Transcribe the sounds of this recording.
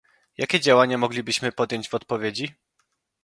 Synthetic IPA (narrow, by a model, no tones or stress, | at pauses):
jakʲɛd͡ʑawaɲamɔɡlʲibɘɕmɘpɔd̪jɔɲd͡ʑvɔt̪̚pɔvʲjed͡ʑi